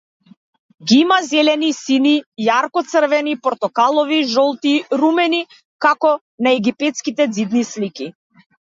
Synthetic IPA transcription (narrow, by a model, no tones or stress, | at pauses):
ɡiimazɛlɛnisinijaɾkɔt̪sr̩vɛnipɔɾt̪ɔkalˠɔviʒɔlˠt̪iɾumɛni | kakɔ | naɛɡipɛt̪skit̪ɛd̪zid̪nisliki